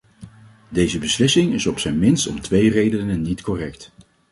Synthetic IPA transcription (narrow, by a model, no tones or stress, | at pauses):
dejzəbəslɪsɪŋɪsɔpsɛjnmɪnstɔ̰mtʋejrejdənənːitkɔrɛkt